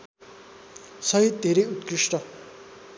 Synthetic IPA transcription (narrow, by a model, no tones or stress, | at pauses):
sʌɦit̪̚d̪ʱeɾʌjut̪krisʈʌ